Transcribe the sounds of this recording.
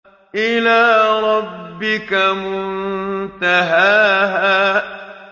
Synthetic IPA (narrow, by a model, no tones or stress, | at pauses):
ʔɪlaːɾˤɑbːɪkamʊnt̪aɦaːɦaː